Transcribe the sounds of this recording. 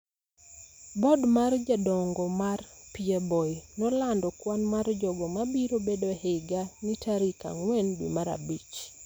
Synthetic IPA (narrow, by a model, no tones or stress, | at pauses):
bɔdmard͡ʒadɔŋɡɔmarpiebɔnɔlandɔkwanmard͡ʒɔɡɔmabiɾobedohɪɡanitʰaɾika̰ŋwɛndwḭmaɾa̰bit͡ʃ